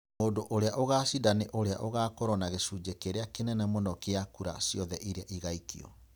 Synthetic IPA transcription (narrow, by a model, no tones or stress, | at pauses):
oːdoʔoɾeaʔoɣasidaneʔoɾea̰ʔoɣaːkoɾɔnaɣesud͡ʑekeɾeakenɛnɛmonɔkeakuɾa̰siɔðɛʔiɾeaʔiɣaikiɔ̰